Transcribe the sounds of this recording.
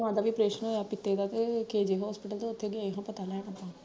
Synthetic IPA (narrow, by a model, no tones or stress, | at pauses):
ʋãːd̪aːʋiːpɾeːʃənoːjaːpɪt̪ːeːd̪aːt̪ekeːd͡ʒeɦɔːspɪʈəlt̪oʊt̪ʰːeɡeaːeɦãːpət̪aːlɛnəpːãː